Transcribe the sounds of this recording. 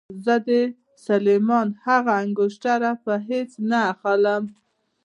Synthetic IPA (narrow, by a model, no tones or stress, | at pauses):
zəd̪ə | salemɑnhaɣaːŋɡʊʃʈaɾapəɦet͡snaːxaləm